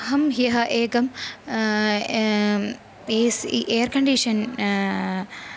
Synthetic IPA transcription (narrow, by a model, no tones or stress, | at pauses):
ɦɐmɦjɐɦɐʔeːɡɐm | eːsiʔeːɐɾkɐɳɖiʂɐn